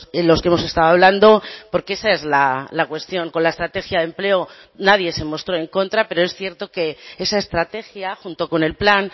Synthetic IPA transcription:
elo̞skeemose̞st̪aðoaβland̪o̞po̞ɾkee̞sae̞zlalakwe̞st̪jo̞ŋko̞nlaest̪ɾat̪e̞xjaðe̞mple̞o | nað̞je̞se̞mo̞st̪ɾo̞e̞ŋko̞nt̪ɾape̞ɾo̞esθje̞ɾt̪o̞ke̞e̞sae̞st̪ɾat̪e̞xjaxunt̪o̞ko̞ne̞lplan

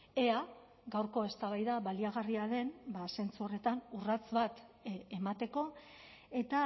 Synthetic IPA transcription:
e̞a | ɡawɾko̞e̞st̪aβajðaβaliaɣ̞ariaðe̞nbase̞nt͡suo̞re̞t̪anurat͡sβat̪emat̪e̞ko̞ | e̞t̪a

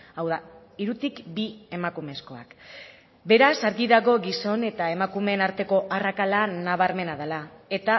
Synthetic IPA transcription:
awða | iɾut̪ikbie̞makume̞sko̞a̰k | be̞ɾasaɾɣiðaɣo̞ɣiso̞ne̞t̪ae̞makume̞ːnaɾt̪e̞ko̞ʔarakalanaβ̞aɾme̞naðelae̞t̪a

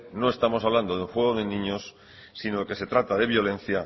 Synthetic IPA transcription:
no̞e̞st̪amo̞s̬aβland̪oðeuŋxwe̞ɣ̞oðe̞nĩɲosː | inoeke̞se̞t̪ɾat̪aðe̞βjo̞le̞n̟θja

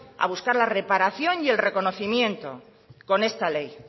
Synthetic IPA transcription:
a̰βuskaɾlare̞paɾaθjo̞njie̞lre̞ko̞no̞θimjẽ̞nt̪o̞̰ | ko̞ne̞st̪ale̞j

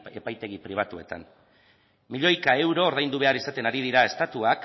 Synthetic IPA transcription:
e̞pajt̪e̞ɣ̞ipɾiβ̞at̪ue̞t̪a̰n | miʎo̞jkae̞wɾo̞ːɾðajnd̪uβ̞e̞aɾisat̪e̞naɾið̞iɾae̞st̪at̪uak

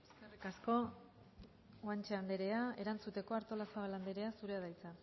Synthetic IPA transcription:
eskarikasko̞ | ant͡ʃeand̪e̞ɾe̞ae̞ɾant͡sut̪e̞ko̞aɾt̪o̞lasaβaland̪e̞ɾe̞asuɾe̞að̞ajt͡sa

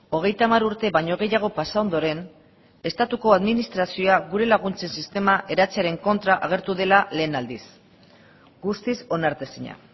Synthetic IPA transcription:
o̞ɣ̞e̞jt̪amaɾuɾt̪e̞βaɲo̞ɣ̞e̞jaɣ̞o̞pasao̞nd̪o̞ɾe̞n | e̞st̪at̪uko̞aðminist̪ɾasio̞aɣuɾe̞laɣ̞unt͡se̞nsist̪e̞maʔe̞ɾat͡seaɾe̞ŋko̞nt̪ɾaʔaɣ̞e̞ɾt̪uðe̞lale̞ːnald̪is | ɡust̪iso̞naɾt̪esiɲa̰

